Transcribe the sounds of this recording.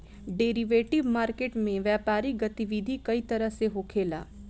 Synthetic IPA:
ɖeːɾiʋeːʈɪʋmaːɾkeːʈmẽʋjɛːpaːɾiɡɐt̪iʋid̪ʱikɐit̪ɐɾəɦseɦoːkʰeːla̰ː

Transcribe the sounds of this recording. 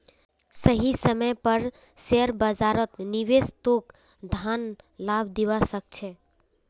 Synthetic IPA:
səɦisəməjpəɾ | seɾbəd͡ʒaɾət̪niʋest̪ok | d̪ʱanlabʱd̪iwasək̚t͡ʃʰɛ

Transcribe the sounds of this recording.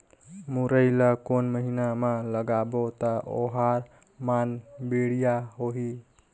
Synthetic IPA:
muɾəɪləkonməɦinamaləɡabot̪əʔo̰ɦaɾ | manbeɽijaɦoɦi

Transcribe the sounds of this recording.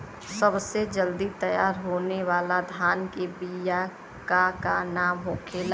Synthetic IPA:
səbsed͡ʒəld̪it̪əjaːɾɦoːneʋaːlad̪ʱaːnkebija | kakanaːmɦokʰeːla

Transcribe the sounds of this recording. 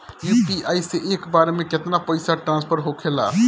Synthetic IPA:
juːpiaːiseʔeːkbaːɾemẽkɪt̪napəɪsaʈɾãːnspʰəɾɦokʰela̰ː

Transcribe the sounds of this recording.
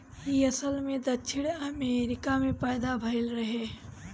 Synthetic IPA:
jiɐsəlmẽd̪ɐt͡ʃʰɪɽɐmeːɾɪkamẽpəjd̪abʱɐɪlɾɐɦeː

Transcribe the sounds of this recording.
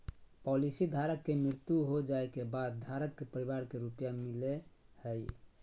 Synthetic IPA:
pɔlisid̪ʱaɾəkːemɾiɾt̪juɦod͡ʒaekebad̪̚d̪ʱaɾəkːepəɾiβaɾkeɾupjamilehəj

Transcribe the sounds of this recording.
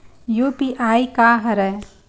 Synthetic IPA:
jupiʔaːikaɦɐɾɛ

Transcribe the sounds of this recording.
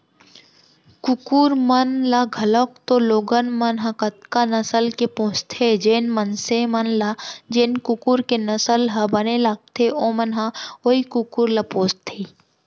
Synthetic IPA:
kʊkuːɾmənlaɡʱɐləkt̪oloːɡənmɐnɦãkət̪̚kanɐsəlkepõːst̪ʰed͡ʒeːnmənsemənlad͡ʒeːnkʊkuːɾkenɐsəlɦɐbənelak̚t̪ʰeʔõmənɦaoikukuɾlapõːst̪ʰeː

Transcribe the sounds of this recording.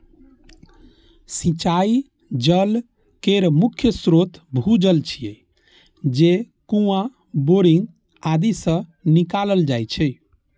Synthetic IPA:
sĩt͡ʃai | d͡ʒəl | keɾmukʰjəsɾot̪bʱud͡ʒəlt͡ʃʰijɛ | d͡ʒe | kũã | boɾiŋɡ | ad̪isə̃nikaləld͡ʒajt͡ʃʰɛ

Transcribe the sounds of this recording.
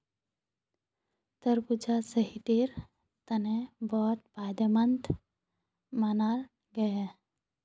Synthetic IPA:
t̪əɾbud͡ʒasəɦiʈiɾ | t̪ɐnẽbɔːt̪̚paːd̪əmənt̪ | mana | ɡəje

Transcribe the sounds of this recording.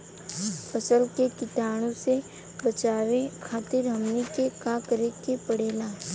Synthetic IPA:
pət͡ʃəlkekɪt̪aːɽ̃õse | bət͡ʃaːʋekʰaːt̪ɪɾɦɐmnikekakəɾekepəɽeːlaː

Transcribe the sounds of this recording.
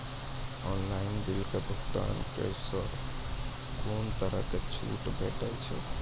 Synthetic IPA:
ɔnlainbilkebʱəkt̪a̰nkḛsəɾ | kont̪əɾə̰ket͡ʃʰṵʈbʱeʈəlt͡ʃʰɛ̰

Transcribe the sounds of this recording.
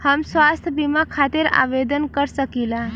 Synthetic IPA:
həmsʋast̪ʰjəbimakʰat̪iɾa̰ʋed̪ənkəɾsəkila

